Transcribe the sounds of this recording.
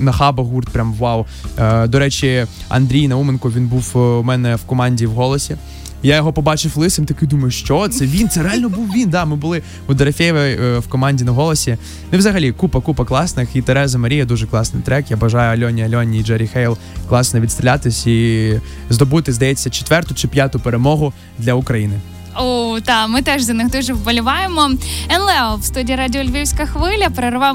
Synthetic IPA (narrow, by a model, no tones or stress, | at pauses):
nɐxɑbɐɦurt̪̚pɾʲamʋɑw | d̪ɔɾɛt͡ʃʲiɐ̰nd̪ɾʲijnɐumenkʊʋʲinbuwmɛnɛwkɔmɑnʲdʲiwɦɔlˠɔsʲi | jajɔɦɔpɔbɑt͡ʃɪwlˠɪsɪmt̪ɔkɪd̪umɐjʊʃt͡ʃɔt̪sɛʋʲint̪sɛɾeɑlʲnɔbuwʋʲind̪ɑmɪbʊlˠɪ | ʊd̪ɐɾɐfʲejʋɐwkɔmɑnʲdʲinɐɦɔlˠɔsʲi | nʊiwzɐɦɐlʲikupɐkupɐklˠɑsnɪxit̪ɛɾɛzɐmɐɾʲijɐd̪uʒɛklˠɑsnɪ̰jt̪ɾɛkjabɐʒɑjʊɐlʲɔnʲiɐlʲɔnʲiːd͡ʒɛɾʲixɛjlˠ | klˠɑsnɔʋʲid̪st̪ɾʲɪlʲat̪ɪsʲi | zd̪ɔbut̪ɪzd̪ɐjɛt͡sʲːɐt͡ʃe̥t̪ʋɛrt̪ʊt͡ʃɪpʲjat̪ʊpeɾemɔɦʊ | d̪lʲɐʊkɾɐjinɪ | od̪ɑmɨt̪ɛʒzʲɐnɪxd̪uʒɛʋbɐlʲɪʋɑjɪmɔɛnlˠɛwst̪udʲiːiɾadʲɪɔlʲʋʲiwsʲkɐxʋɪlʲɐpɾɐɾʋɑ